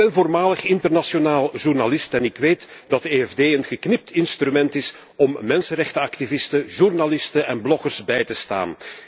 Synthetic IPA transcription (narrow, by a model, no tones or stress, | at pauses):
ɛnvoːrmaːləxɪntərnasjonaːlˠʒurnalɪstɛnɪkʋeːtd̥ɑtəeːɛvdeːənɣəknɪp̚tɪnst̪ɾymɛntɪs | ɔmːɛnsənɾɛxtəɑktivɪstəʒurnalɪstəɛnblɔkərsbɛjtəsta̰ːn